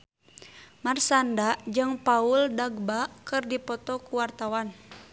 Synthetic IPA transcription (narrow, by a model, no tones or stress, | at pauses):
marsandad͡ʒɨŋpauldaɡbakɨrdipɔt̪ɔkuwart̪awan